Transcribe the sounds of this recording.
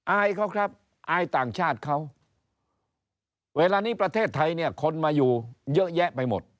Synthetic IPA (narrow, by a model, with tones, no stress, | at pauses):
ʔaː˧jkʰa˦˥wkʰɾa˦˥p̚ | ʔaː˧jt̪aː˨˩ŋt͡ɕʰaː˥˩t̪̚kʰa˦˥w | weː˧laː˧niː˦˥pɾa˧t̪ʰeː˥˩t̪ʰːa˧jni˥˩ɐkʰo˧nmaː˧juː˨˩jɤ˦˥ʔjɛ˦˥ʔpa˧jmo˨˩t̪̚